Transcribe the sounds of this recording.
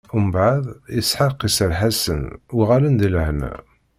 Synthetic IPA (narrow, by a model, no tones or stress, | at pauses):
umbʕəðˤjəsħəqːisælħasə̰nuʁalənd̪ilhnæ̰